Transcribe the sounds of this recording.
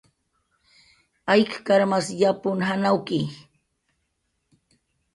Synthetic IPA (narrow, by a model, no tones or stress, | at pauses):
ajkkaɾmasjapʊnɦanawkɪ